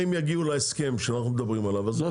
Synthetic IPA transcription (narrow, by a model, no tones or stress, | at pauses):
imjaɡiuleeske̞mʃeanaχnumed̪abʁimalavazo